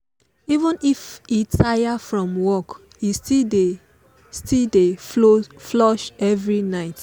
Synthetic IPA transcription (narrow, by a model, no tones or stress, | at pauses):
ivə̃nifitʰajafɹɔ̃mwɔk | istide | stildeoflɔʃɛvɹinaɪt